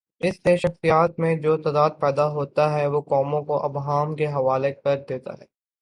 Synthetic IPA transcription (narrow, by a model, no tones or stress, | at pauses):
ɪsːeʃɐxsijaːt̪̚mẽd͡ʒoːt̪aːd̪aːd̪̚pɛːd̪aɦoːt̪aɦɛʋokɔːmõkoʔɐbɦaːmkeɦɐʋaːlekɐɾd̪eːt̪a̰ɦɛː